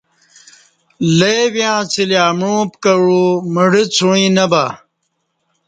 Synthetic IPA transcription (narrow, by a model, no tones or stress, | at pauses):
lejwjãːt͡siljaːmɻũːpkɐɻuməɖit͡sʰuɻ̃ĩːnɐba